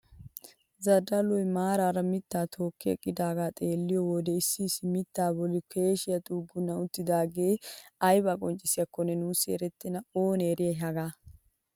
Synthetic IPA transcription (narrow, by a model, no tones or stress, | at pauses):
zɐd̪ɐlɔjmaːɾaːɾɐmɪt̪ːaːt̪ʰo̞ːkːɛɛ̰kʼːɪd̪aːɡaːt̪ʼeːlːɪjɔwɔd̪ɛɪsːɪːsːɪmɪt̪ːaːbɔlːɪkʰe̞ːʃɪjɐt̪ʼuːɡːʊnːɐʊt̪ːɪd̪aːɡeːɐjbakʼɔnt͡ʃʼːɪsɪjɐkːɔnɛnuːsḛːɾɛt̪ːɪnɐoːneːɾɪjɐɦɐɡaː